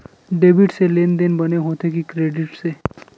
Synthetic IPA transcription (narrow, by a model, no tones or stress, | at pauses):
ɖeːbiʈseleːnd̪enbəneɦot̪ekikɾeːɖɪʈse